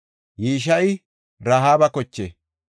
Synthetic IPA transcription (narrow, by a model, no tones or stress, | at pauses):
jiːʃ̬ɐj | ɾaɦaːbɐkɔt͡ʃːe